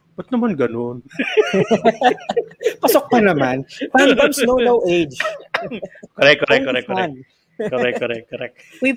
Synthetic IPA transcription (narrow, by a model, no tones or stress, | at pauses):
bɐt̪̚nɐmanɡɐnon | pɐsok̚pɐnɐmanɾand̪ɐmsnownowʔejd͡ʒ | kɔɾɛkːɔɾɛkːɔɾɛkːaɛn | kɔɾɛkːɔɾɛkːɔɾɛk̪̚ | wi